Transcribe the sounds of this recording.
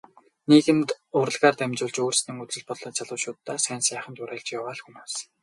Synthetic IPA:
niːɣɘ̆nt̪ʊɾə̆ɮʁaːrt̪æmʲt͡ɕʊːɮt͡ɕoːrsniːŋut͡sɘ̆ɮpɔɮɞ̆ːt͡sʰaɮʊ̆wʃʊːt̪ːaːsæːnsæːχə̆nt̪ʊɾæːɮt͡ɕjawaːɮxumoːs

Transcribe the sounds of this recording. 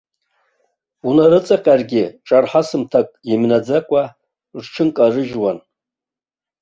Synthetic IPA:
unaɾɨt͡sʼaqʲʼarɡʲɪʈ͡ʂʼarħasɨmtʰakʼimnad͡zakʷʼa | rʈ͡ʂʰɨnkʼarɨʒwan

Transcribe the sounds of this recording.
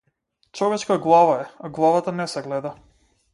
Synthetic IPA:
t͡ʃɔvɛt͡ʃkaɡlˠavaɛaɡlˠavat̪anɛsɛɡlɛd̪a

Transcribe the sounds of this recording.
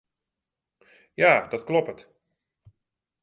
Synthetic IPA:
jaːdɔtklɔpət

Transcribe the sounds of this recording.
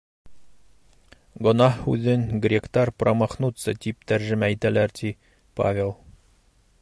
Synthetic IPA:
ɡŏnɑhʉ̰ðɘŋɡrʲekt̪ɑɾprɑmɑχnut̪sɤt̪ip̚t̪æɾʒɘ̆mæit̪ælæɾt̪ʰi | pa̰vʲelˠ

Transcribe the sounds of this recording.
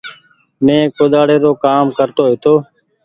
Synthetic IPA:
mẽːkoːd̪aːɽeːɾoːkaːmkəɾt̪oːɦɪt̪oː

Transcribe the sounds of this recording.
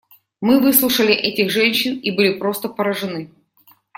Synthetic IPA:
mɨvɨslˠʊʂəlʲɪʔɛtʲɪɣʐɛnʲɕːɪnibɨlʲɪpɾo̞st̪əpəɾəʐɨnɨ

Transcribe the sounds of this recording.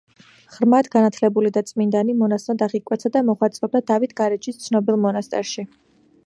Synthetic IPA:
χɾmat̪ɡanat̪ʰlɛbulid̪at̪sʼmind̪animɔnasmɔd̪aʁikʼwɛt̪sʰad̪amɔχwat̪sʼɾɔb̚d̪ad̪avit̪ʰɡaɾɛt͡ʃʰist̪sʰnɔbilˠmɔnast̪ʼɛɾʃi

